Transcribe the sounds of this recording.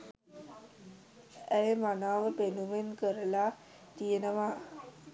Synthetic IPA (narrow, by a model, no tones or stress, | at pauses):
əjəmanaːʋəpenumenkəɾəla | t̪ijənəʋa